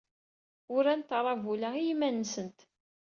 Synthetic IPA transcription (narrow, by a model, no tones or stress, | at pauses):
ʊɾænt̪ɾˤɑvulæijimænːsənt̪